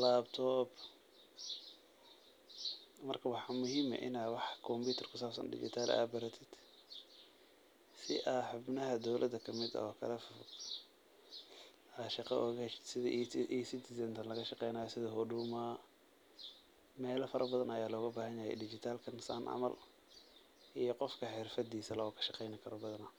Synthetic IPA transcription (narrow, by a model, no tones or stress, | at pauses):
laːbt̪ʰɔːb | mɐrkʰɐwɑħɑmʊhiːmɐ̰ʔɪnaːwɑħkʰɔmpuːt̪ʰɛrkʰʊsaːbsɐ̰nɖɪ̰t͡ʃɪ̰t̪ʰaːla̰ːbɐɾɐt̪ʰɪd̪̥ | sɪʔaːħʊbnɐɦɐd̪ɔwlʔɐd̪ɐkʰɐmɪd̪ɐ̰ɔːkʰɐ̰lɛf | ɐʃɑqɑ̰ʔɔːɣsɪðʔsɪd̪ɪzɛnt̪ʰɐnlɐɣɐʃɑqɛjnaːjɔsɪðɐɦɔɖuːmaː | mɛːlɐfɐɾʔɐbɐðɐnɐjaːlɔːɣɐbaːɦɐnjɐjɛ̰jɖɪt͡ʃɪt̪ʰaːlkʰɐnsa̰nʔɑ̰mɐ̰l | ʔijɞqɔfkʰɐħɪrfɐd̪iːsɐlɔːkʰɐ̥ʃɑ̥qɛjnɐkʰɐɾɔbɐðɐnɐ